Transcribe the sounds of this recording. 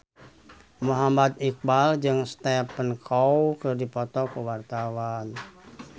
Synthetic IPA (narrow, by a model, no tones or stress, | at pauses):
muɦamat̪̚ik̚bald͡ʒɨŋst̪ɛpənkʰɔwkɨrdipɔt̪ɔkuwart̪awan